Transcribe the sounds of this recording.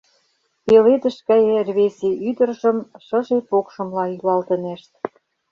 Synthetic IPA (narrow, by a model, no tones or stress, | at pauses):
peled̪ə̆ʃkæjerβeseyd̪ə̆rʒə̆mʃɤ̆ʒepokʃə̆mlɑjylɑlt̪ə̆neʃt̪̚